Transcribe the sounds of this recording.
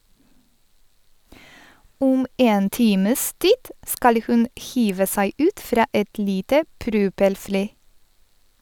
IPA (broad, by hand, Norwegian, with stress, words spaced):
ˈuːm ˈeːn ˈtiːməs ˈtiːd ˈskɑl ə ˈhʉn ˈhiːʋə ˈsæɪ ˈʉːt ˈfɾɑː ˈɛt ˈliːtə ˈpɾʉːpɛlˌfliː